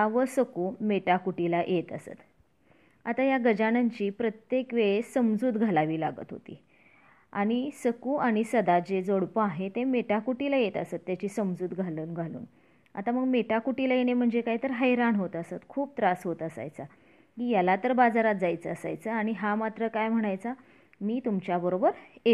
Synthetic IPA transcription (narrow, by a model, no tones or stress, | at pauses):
aʋəsəkuːmeʈakuʈilaʔjʔet̪ə̰sə̰t̪ | at̪ajaɡəd͡ʑanaɲt͡ɕiːpɾət̪jekʋeɭesəmd͡zuːt̪ɡʱalaʋiːlaɡə̰t̪ɦo̰t̪ḭː | a̰ɽ̃isəkuːaɽ̃isəd̪ad͡ʑed͡zoɽpəaɦet̪emeʈakuʈilajet̪əsət̪ːjat͡ɕiːsəmd͡zuːt̪ɡʱaluːnɡʱalṵːn | a̰t̪aməɡmeʈakuʈilajeɽ̃em̤əɳd͡zekaɦit̪əɾɦəjɾanɦot̪əsat̪kʰuːp̚t̪ɾasɦot̪əsa̰jt͡sa | kiːjalat̪əɾbad͡zaɾat̪̚d͡zajt͡səəsa̰jt͡səaɽ̃iɦamat̪ɾəkajm̤əɽ̃ajt͡sa | miːt̪umt͡ɕjabəɾobəɾe